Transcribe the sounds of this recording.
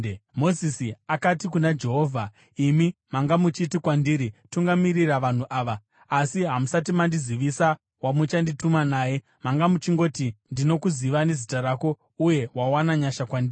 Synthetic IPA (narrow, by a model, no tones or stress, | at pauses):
mo̞zisiakatikunad͡ʒe̞ɦo̞ːvʱa | imimaŋɡamut͡ʃitikwandiːɾituŋɡamiriraʋan̤uʔaːʋaː | siɦamusat̬imandiziʋisa | wamut͡ʃanditumanaːje̞ | maŋɡamut͡ʃiŋɡo̞tindino̞kuziʋane̞zitaɾaːko̞ | uje̞wawanaɲaʃakwandiːi